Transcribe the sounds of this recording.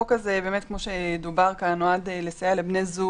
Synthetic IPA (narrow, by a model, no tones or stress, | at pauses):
kazebe̞ːmetkmo̞ʃed̪ubaʁkanoadelesajalebnezu